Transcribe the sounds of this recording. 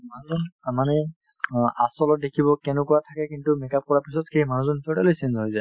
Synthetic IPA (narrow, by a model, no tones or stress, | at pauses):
manuzɔnamanɛ | asɔlɔt̚dekʰibɔkɛnɛkuatʰakɛkintumɛkap̚kɔɹapisɔtxejmanuzɔnpʰɔtɛlojsenzɦojzaj